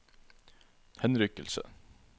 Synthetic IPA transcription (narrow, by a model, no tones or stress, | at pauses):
hɛnɾʏkəlsə̰